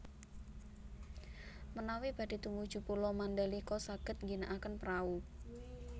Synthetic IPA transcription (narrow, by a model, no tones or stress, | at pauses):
mənawib̥a̤d̥i̤t̪umbu̥ʒ̥ṳpulɔmandalikɔsaɡ̥ə̤t̪̚ŋɡinaʔakənpɾau